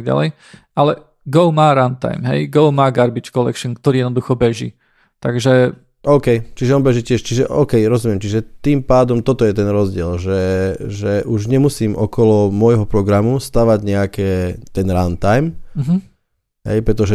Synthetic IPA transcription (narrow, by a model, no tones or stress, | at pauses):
ɡɟa̰lɛ̰j | ʔalɛ | ɡɔʊmaːɾant̪a̰jmɦɛ̰jɡɔʊmaːɡaɾbit͡ʃkɔlɛ̰kʃɔnk̚t̪ɔɾiːjɛd̪nɔd̪uxɔbɛʒḭ | t̪aɡʒɛ | ʔɔʊkɛjt͡ʃiʒɛɔnbɛʒicɪɛʃt͡ʃiʒɛʔɔ̰ːkɛjɾɔzumɪɛmt͡ʃiʒɛt̪iːmpaːd̪ɔmt̪ɔt̪ɔjɛt̪ɛnɾɔzɟɪɛlʒɛʒɛʔuʒɲɛmusiːmʔɔkɔlɔmʊɔjɦɔpɾɔɡɾamust̪aʋaɟɲɛakɛːt̪ɛnɾant̪ajm̩ɦ̩ | ɦɛ̰jpɾɛt̪ɔʒɛ